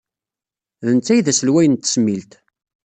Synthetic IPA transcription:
ðənt͡sːæjðæsəlwæjənt̪ːə̥smilt̪

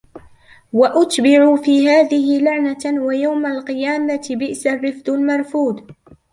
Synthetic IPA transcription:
waʔʊt̪bɪʕufiːɦaːðɪɦɪlaʕnawajawmalqɨjaːmat̪ɪbɪʔsarːɪfd̪ʊlmɑɾˤfuːd̪

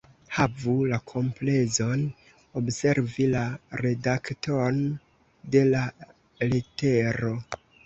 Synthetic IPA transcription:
havulakʰo̞mplezo̞n | obse̞ɾvilaɾe̞dakton | de̞la | lite̞ɾo̞

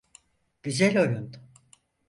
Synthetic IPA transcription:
ɟ̥yzɛlʲo̞jund̪

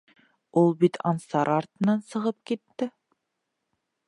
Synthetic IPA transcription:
ulˠbit̪ʰɑnsɑɾʔɑɾt̪ɤ̆nɑnsɤ̆ʁɤp̚kit̪ːɪ

